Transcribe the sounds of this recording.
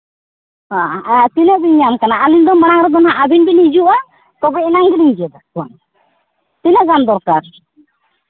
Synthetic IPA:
hãat̪inɛʔbiɲamkanaːlind̪ɔmanaŋɾɛd̪ɔnɦaʔabinbinid͡ʒuʔa | t̪ɔɡɔɛnaŋɡiliɲd͡ʒɛd̪ɔkɔn | t̪inɛʔɡand̪ɔɾkaɾ

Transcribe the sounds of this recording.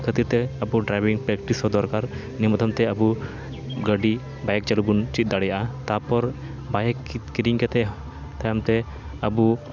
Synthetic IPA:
kʰət̪iɾt̪ɛɐbuɖɾajbiŋpɾɛk̚ʈisɦɔd̪ɔɾkaɾ | nimɔt̪ʰɐmt̪ɛɐbu | ɡəɖi | bajk̚t͡ʃɐlubunt͡ʃit̪̚d̪aɽɛjaʔat̪apɔɾ | bajkkiɾiŋkɛt̪ɛ | t̪ajamt̪ɛ | əbu

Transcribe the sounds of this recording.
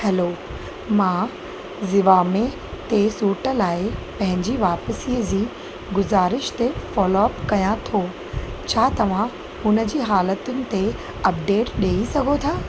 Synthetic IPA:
hɛloː | mãː | zɪʋaːme | t̪esuːʈəlaːɪpɐ̃ɦɪ̃ɲd͡ʑiʋaːpəsiːəd͡ʑiː | ɡʊzaːɾɪʃt̪efɔːloɐpkɐjãt̪ʰoː | t͡ɕʰaːt̪ɐʋ̤ã | hʊnə̆d͡ʑiːɦaːlət̪ʊnɪ̆t̪e | ɐp̚ɖeːʈɗeːisɐɡʱot̪ʰaː

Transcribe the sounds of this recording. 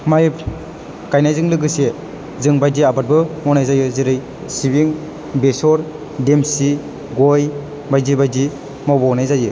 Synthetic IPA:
majp | kajnajzɯŋlɯɡɯse | zɯŋbajdiabat̚bɯmɔnajzajɯziɾɯj | sibiŋ | besɔɾ | demsi | ɡɔj | bajdibajdi | mawbɔɔnajzajɯ

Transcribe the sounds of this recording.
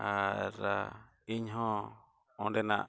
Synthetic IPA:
aɾa̰ | iɲɦõ | onɾenã̰

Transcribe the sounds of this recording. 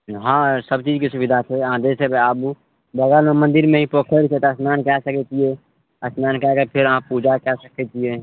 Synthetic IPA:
ɦãsəb̚t͡ʃiːd͡ʒkisʊbid̪ʱat͡ʃʰeɦãd͡ʒɛsebeabu | bəɡəlomə̃nd̪ɪɾmẽĩpoːkʰəɾt͡ʃʰet̪əsnaːnkɛsəkɛt͡ʃie | əsnaːnkɛkepʰɪɾəɦãpud͡ʒakɛsəkɛt͡ʃie

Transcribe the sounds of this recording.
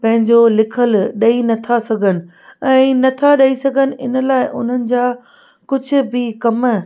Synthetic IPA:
pɐ̃ɦɪ̃ɲd͡ʑolɪkʰəlɗɐinɐt̪ʰasɐɡʱənɪ̆ | ɛ̃ːnɐt̪ʰaɗɐisɐɡʱənɪ̆ʔɪnə̆laːɪʔʊn̤ənɪ̆d͡ʑaː | kʊd͡ʑʱʊ̆bɪkɐm

